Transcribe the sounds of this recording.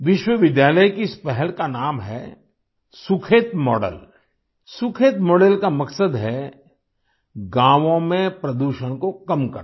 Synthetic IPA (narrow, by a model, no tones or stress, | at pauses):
ʋɪʃwəʋɪd̪jaːləjkiɪspɛɦɛlkanaːmɦɛ | sʊkʰeːt̪mɔːɖə̰l | sʊkʰeːt̪mɔːɖəlkamɐksəd̪ɦɛ | ɡãːʋõmẽpɾɐd̪uːʃəɽ̃kokɐmkɐ̰ɾ